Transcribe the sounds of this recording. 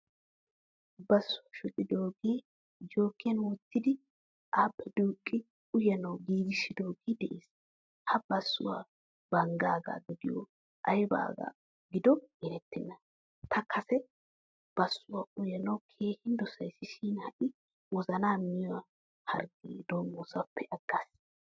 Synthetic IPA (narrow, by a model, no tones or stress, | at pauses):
bɐsːʊwɐʃʊt̪ʼːɪd̪o̞ːɡeː | d͡ʒoːkːɪjɐnwɔt̪ːɪd̪ɪ | ʔaːpʼːɛd̪uːkʼːɪ | ʊjɐnɐwɡiːɡɪʃːɪd̪oːɡeːd̪ɛʔeːs | hɐb̥ɐsːʊwa̰ː | b̥ɐŋɡaːɡa̰ːɡ̪ʊɡɪjɔ̰ | ʔɐjba̰ːɡa̰ː | ɡɪd̪ɔɡɛɾɛt̪ːɪnːɐ | t̪ʰɐkʰɐsɛ | b̥ɐsːʊwaːʔʊjɐnɐwkʰe̞ːhɪnd̪ɔsɐjsːɪʃiːnhɐʔɪ | wɔzɐnaːmɪjʊwa | hɐ̰ɾɡeːd̪oːmːɔːsɐpːɛʔɐɡ̥ːaːs